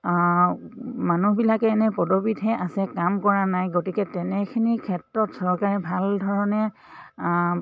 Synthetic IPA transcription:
manubilakɛːnɛpɔdobidɦɛʔasɛkamkɔɹanajɡotikɛtɛnɛkʰinikʰɛtɹɔtsɔɹkaɹɛbʱaldʱɔɹɔnɛ

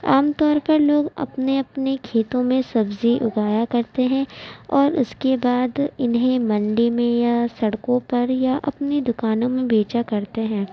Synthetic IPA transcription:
aːmt̪ɔːɾpɐɾloːɡɐ̰pneɐpnekʰeːt̪õmẽsɐbziʔʊɡaːjakɐɾt̪eɦɛ̃ɔːɾʊskebaːd̪ɪnɦẽmɐ̃ɳɖimẽjasɐɽkõpɐɾjaʔɐ̰pnid̪ʊkaːnõmẽbeːt͡ʃakɐɾt̪eɦɛ̃ː

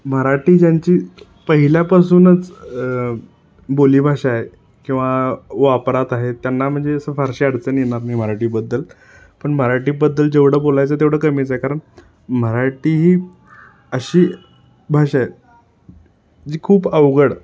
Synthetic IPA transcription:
m̤əɾaʈiːd͡ʑjaɲt͡ɕiː | pəɦiljapasuːnət͡s | boliːbʱaɕaɦe | kĩw̃ʋaʋapɾat̪aɦet̪janːam̤əɳd͡zeəsəfaɾɕiaɽt͡sənjeɳaɾnaim̤əɾaʈiːbəd̪ːəl | pəɳməɾaʈiːbəd̪ːəld͡ʑeʋɽ̤əbolajt͡sət̪̬eʋɽ̤əːkəmit͡saɦekaɾəɳ | m̤əɾaʈiːɦiː | əɕiː | bʱaɕae | d͡ʑiːkʰuːbəʋɡəɽ

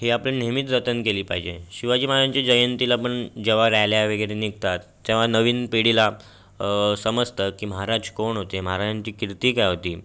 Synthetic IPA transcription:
ɦiaplənemit̪ɾət̪ənkeliːpaɦid͡ʑeɕiʋad͡ʑiːmanaɲt͡ɕad͡ʑəjənt̪ilapəɳd͡ʑeʋ̤aɾaɦljaʋeɡəjɾeniɡt̪at̪ːẽʋ̤anəʋiːnpeɽila | səməd͡zt̪əkiːməɦaɾad͡ʑkoɳɦot̪eməɦaɾad͡ʑaɲt͡ɕiːkiɾt̪iːkajɦot̪iː

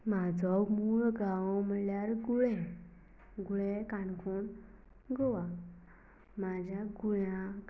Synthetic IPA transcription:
mad͡zɔmuɭɡawməljaɾɡuɭɛ̃ | ɡuɭɛkankʰun | ɡɔwa | mad͡ʑaɡuɭã

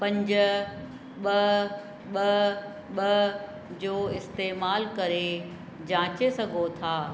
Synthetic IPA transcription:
pɐ̃ɲd͡ʑʊ | ɓɐ | ɓɐ | ɓɐ | d͡ʑoːɪst̪eːmaːlkɐɾe | d͡ʑãːt͡ɕesɐɡʱot̪ʰaː

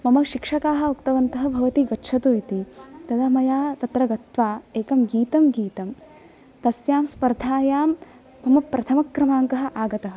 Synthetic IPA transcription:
mɐmɐʃikʂɐkaːɦɐ̆ukt̪ɐʋɐnt̪ɐɦɐ̆bʱɐʋɐt̪iɡɐtʃʰɐt̪uit̪it̪ɐd̪ɐmɐjaːt̪ɐt̪ɾɐɡɐt̪ʋaːeːkɐmɡiːt̪ɐmɡiːt̪ɐm | t̪ɐsjaːmspɐɾd̪ʱaːjaːmː | ɐmɐpɾʔɐt̪ʰɐmɐkːɾɐmaːŋkɐɦɐ̆ʔaːɡɐt̪ɐɦɐ̆

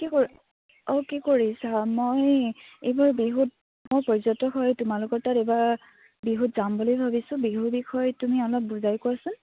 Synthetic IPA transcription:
kiko | ɔkikoɹisamojejbaɹbiɦut̚ | mojpɔɹzɔtɔɦɔjtʊmalʊkɔɹtateba | biɦutzambɔlojbʱabisʊ̃biɦubikʰɔjtumiɔlɔp̚buzajkʊasʊn

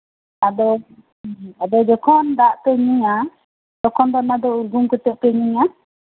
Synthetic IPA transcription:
ad̪ɔ | ad̪ɔd͡ʒɔkʰɔnd̪aʔp̪ɛɲiɲa | d̪ɔkʰɔnd̪ɔnad̪ɔuɾɡuŋkut̪ɛʔpɛɲiɲa

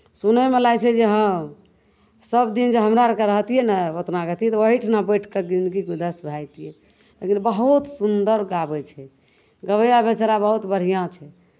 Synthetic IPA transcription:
sunəmelat͡ʃʰɛd͡ʒeɦəm | səbd̪ind͡ʒeɦəmɾaɾəkeɾəɦt̪ijɛnɛət̪naɡət̪ijɛt̪əɦiʈʰinabəʈʰked͡ʒind̪ɡikud̪əsbʱajt̪ijɛ | lekinbəɦut̪sund̪əɾɡabɛt͡ʃʰɛ | ɡəβəjabet͡ʃɾabəɦut̪bəɽ̤ijãt͡ʃʰɛ

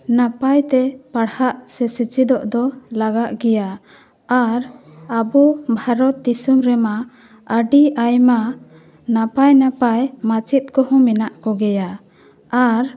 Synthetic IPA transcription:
napajt̪ɛpaɽhaʔsɛsit͡ʃid̪ɔʔd̪ɔlaɡaʔɡɛja | aɾ | abubʱaɾɔt̪̚d̪isumɾɛma | əɖiʔajma | napajnapajmat͡ʃit̪̚kɔhɔ̃minaʔkɔɡɛja | aɾ

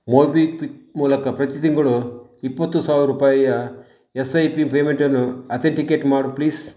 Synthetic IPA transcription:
moːbiːpimuːlɐkɐpɾɐt̪id̪iŋɡɐɭuipːɐt̪ːusaːʋɾuɾupaːjɐjɐ | esɐjpipeːmeɳʈɐɾnːuɐt̪ʰeɳʈikeːʈmaːɽupliːs

